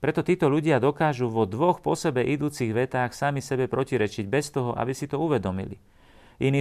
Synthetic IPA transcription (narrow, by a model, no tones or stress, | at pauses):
pɾɛt̪ɔt̪iːt̪ɔʎuɟɪad̪ɔkaːʒuʋɔd̪ʋɔxpɔsɛbɛʔid̪uːt͡siɣʋɛt̪aːxsamisɛbɛpɾɔciɾɛt͡ʃiɟbɛst̪ɔɦɔʔa̰bisit̪ɔuʋɛd̪ɔmḭlḭ | ʔiniː